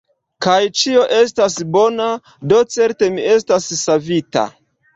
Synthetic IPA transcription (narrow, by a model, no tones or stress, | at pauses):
kajt͡ʃio̞ʔe̞stasbo̞na | do̞t͡se̞ɾte̞mie̞stasːavita̰